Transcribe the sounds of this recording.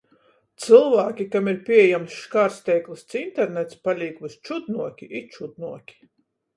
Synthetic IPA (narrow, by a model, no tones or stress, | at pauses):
t̪sɨlˠvaːkʲikamiɾpʲiɛjamsʃkaɾst̪ɛjklˠist̪sint̪ɛɾnɛt̪spalʲiːkust͡ʃud̪nuɔkʲiʔit͡ʃud̪nuɔkʲi̥